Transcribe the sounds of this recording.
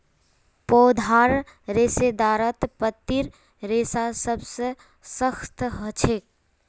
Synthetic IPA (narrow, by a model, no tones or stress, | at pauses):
pɔːd̪ʱaːɾ | ɾeːsed̪aːɾət̪pət̪ːiɾ | ɾeːsasəbse | səxt̪ʰɦət͡ʃʰek̚